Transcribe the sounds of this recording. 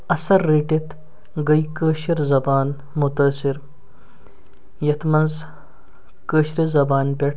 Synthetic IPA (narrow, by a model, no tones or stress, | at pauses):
ɐsɐɾːeːʈit̪ | ɡɐjkəːʃiɾzɐbaːn | mut̪ɐːsiɾ | jɐt̪ʰmɐnz | kəːʃɾizɐbaːnbʲeʈʰ